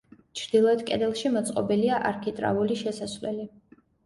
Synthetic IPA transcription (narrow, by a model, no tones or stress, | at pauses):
t͡ʃʰɾd̪̥ilˠɔɛd̪̚kʼɛ̰d̪ɛlˠʃimɔt̪sʼqʼɔbiliaʔaɾkʰit̪ʼɾa̰vuliʃɛsasvlɛ̰li